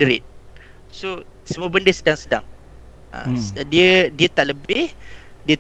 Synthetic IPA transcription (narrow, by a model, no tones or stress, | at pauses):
əɾɪ̰t̪̚ | so | səmuəbəndəsədaŋsəda̰ŋ | a̰diədiət̪aʔləbɪhdiə